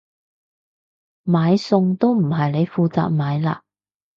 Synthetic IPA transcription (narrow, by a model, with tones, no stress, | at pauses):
maː˨˧jsʊ˧ŋt̪o˥wm̩˨˩ɦɐ˨jne˨˧jfuː˧t͡sa̰ː˨k̚maː˨˥jla̰ː˧